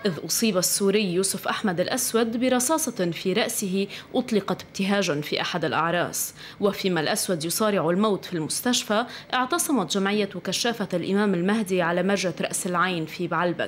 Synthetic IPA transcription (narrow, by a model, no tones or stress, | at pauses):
ʔɪðʔʊsˤiːbasːuːɾɪjːuːsʊfʔaħmad̪ɪlʔaswad̪bɪɾˤɑsɑːsˤɑfiɾˤɑʔsɪɦiʔʊt̪ˤlɪqɑt̪ɪb̚t̪ɪɦaːʒanfiʔaħad̪ɪlʔɑ̰ʕɾˤɑ̰ːs | wɪfiːmalʔaswad̪jʊsˤɑːɾɪʕalmawt̪filmʊst̪aʃfaʔɪʕt̪ɑsˤɑmɑt̪ʒamʕɪjːawkaʃːaːfatlʔɪmaːmɪlmaɦd̪iʕalamaɾˤʒat̪ɾˤɑ̰ʔsɪlʕajnfibaʕlba̰